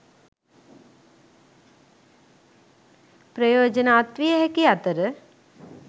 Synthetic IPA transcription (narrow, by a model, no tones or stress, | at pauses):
pɾɐjoːd͡ʒənaːt̪ʋijəɦɛkiat̪əɾə